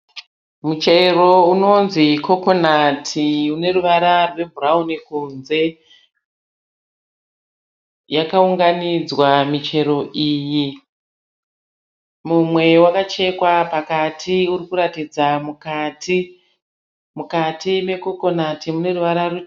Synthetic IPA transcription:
mut͡ʃe̞ro̞uno̞nziko̞konatʰiune̞ruʋaɾarwe̞bʱuraunikunze̞ | jakauŋɡanid͡zwamit͡ʃe̞ɾo̞ʔiːji | mumwe̞wakat͡ʃe̞kwapakatʰiuɾikuɾatid͡zamukati | mukatime̞ko̞ko̞natʰimune̞ruʋaɾare

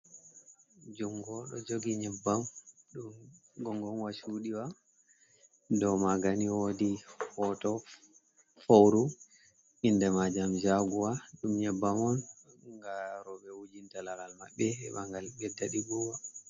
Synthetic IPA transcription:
d͡ʒɔŋɡɔɗɔ̰d͡ʒoɡiɲɛbːamɗum | ɡɔŋɡɔnwaʃuɗiwa | dɔmaɡaniwodihɔtɔ | fowɾu | indɛmad͡ʒamd͡ʒaɡuwaɗumɲɛbːamɔn | ŋɡaɾɔɓɛwud͡ʒintalalalma̰ɓːɛɛɓaŋɡalɡɛdːaɗibuwa

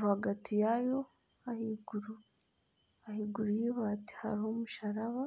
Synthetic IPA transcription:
ɾuhaɡatʰijajo̞ | hahiɡuɾu | hahiɡuɾujiβati̥ha̰ɾihomuʃaɾaβa

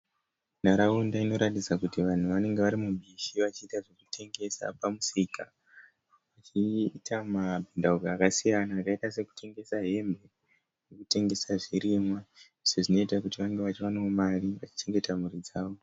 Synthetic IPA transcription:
naɾaundaino̞ɾatid͡zakutiʋan̤uʋane̞ŋɡe̞ʋaɾimuɓiʃiʋat͡ʃiːtaʐe̞kutʰe̞ŋɡe̞sa̰pamusika | ʋat͡ʃitamabʱindauɡaːkasijanaːkaitase̞ku̥tʰe̞ŋɡe̞saɦe̞mbʱe̞ | nekute̞ŋɡe̞saʐiɾimwaiseʐino̞itakutiʋaŋɡeʋat͡ʃiwaneumariʋat͡ʃi̥t͡ʃe̞ŋɡe̞tamurid͡zaːʋo

